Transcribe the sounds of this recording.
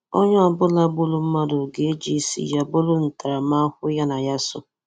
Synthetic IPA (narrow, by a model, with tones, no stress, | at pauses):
o̰˦ɲʊ˦a˨bʊ˦la˦bʊ˦lʊ˦m̩˦ma˦dʊ˨ɡe˦d͡ʒi˦sḭ˨ja˦bʊ˦lʊ˦n̩˨ta˨ɾa˨ma˦hʊ˦ja˦na˨ja˦sʊ˦